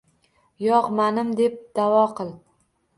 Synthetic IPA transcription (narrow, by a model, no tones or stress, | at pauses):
jɒqmanɪmd̪e̞p̚d̪̥avɒqʰɨlˠ